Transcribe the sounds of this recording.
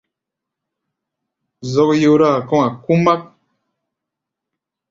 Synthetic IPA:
zɔ˧k̚jo˧ɾa˦˨kɔ̃˦a˨ku˦ma˦k̚

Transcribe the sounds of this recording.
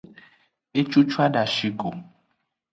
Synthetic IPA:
e˦t͡ʃu˦t͡ʃwa˦da˨ʃi˦ɡo˨

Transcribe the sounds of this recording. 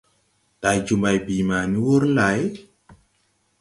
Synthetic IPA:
ta˨˧jd͡ʒu˨˧mba˧jbiː˨maː˨ni˦wo˦ɾn̩˦la˨˦j

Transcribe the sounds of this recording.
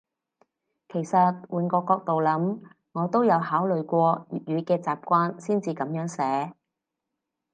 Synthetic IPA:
kʰe˨˩jsɐ˨t̚wuː˨nkɔː˧kːɔː˧k̚t̪o˨wlɐ˨˥m | ŋɔː˨˧t̪o˥wjɐ˨˧whaː˨˥wlɵ˨ɥkʷɔː˧y˨˩t̚jyː˨˧kɛː˧t͡saː˨p̚kʷaː˥nsiː˥nt͡siː˧kɐ˨˥mjœː˨˥ŋsɛː˨˥

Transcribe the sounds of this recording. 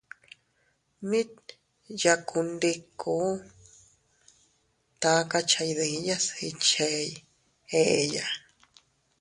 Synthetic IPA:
mĩ˦t | ja˧kʰu˧nd̪i˧ku˨˦ | t̪a˨˦ka˦˧t͡ʃa˧jðĩ˨˦ja˦si˧t͡ʃe˧j | e˦˨e˧ja˧

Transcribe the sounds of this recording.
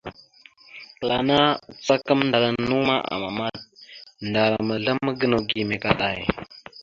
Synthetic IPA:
kə˨la˨na˦t͡sa˦kə˦mnda˨ɾa˨nu˦ma˦ʔa̰˨ma̰˨ma˦d̚nda˨ɾa˨mə˨ɮa˦mə˦ɡə˦no˨ɡi˨me˨ka˨ɗa˨j

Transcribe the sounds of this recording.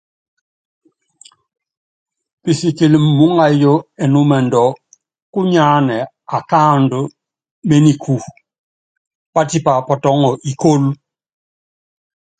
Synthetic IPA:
pi˨si˨ki˨lmːu˦ŋa˨jo˦ɛ˨nu˦mɛ˨ndɔ˨˦ | ku˦ɲa˦nɛ˨ | a˨kaː˦ndu˨˦ | me˦ni˨kʰu˨ | pa˦ti˦pa˨pɔ˨tɔ˦ŋɔ˨ʔi˨ko˦l

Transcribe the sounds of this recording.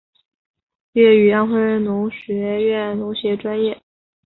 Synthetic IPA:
ɥɛ˥˩y˨˩jɑ˥˧ŋxwe˥ɻə˥˩nnʊ˧˥ŋɕɥɛ˧˥ɥɛ˥˩nnʊ˧˥ŋɕjɛ˧˥ʈ͡ʂwa˥njɛ˥˩

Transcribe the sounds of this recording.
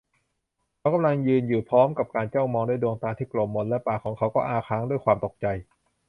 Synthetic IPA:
kʰa˧˦˥wka˧mla˧ŋjɯː˧njuː˨˩pʰɾɔː˦˥mka˨˩p̚kaː˧nt͡ɕa˥˩wmɔː˧ŋduː˥˩jdoː˧ŋt̪aː˧t̪ʰiː˥˩klo˨˩mːo˧nlɛ˦˥paː˨˩kʰɔː˩˦ŋkʰa˦˥wkɔː˥˩ʔaː˧kʰaː˦˥ŋdu˥˩əjkʰwaː˧mt̪o˨˩k̚t͡ɕa˧j

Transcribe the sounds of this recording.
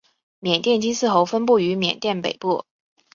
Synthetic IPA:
mjɛ˨˩nt̪jɛ˥˩nt͡ɕi˥nsɹ̩˥˩xo˧˥ʊfə˥npu˥˩y˧˥mjɛ̰˨˩nt̪jɛ˥˩npḛ˨˩ɪpu˥˩

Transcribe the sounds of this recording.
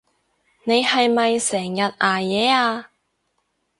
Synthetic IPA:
ne˨˧jhɐ˨jmɐ˨jsɛː˨˩ŋjɐ˨t̚ʔaː˨˩jɛː˨˧˦aː˧

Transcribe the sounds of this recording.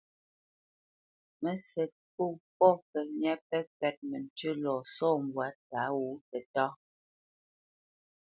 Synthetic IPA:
mɛ˨sɛ˨t̚pu˦˨pɔ˦pɛ˨mjɛ˦pɛ˦kɛ˨t̚mɛ˨n̩˨tʉ˦lɔ˨sɔː˦˨m˨bwa˨˦t̚ka˨˦wu˨˦tɛ˨tɔ˦

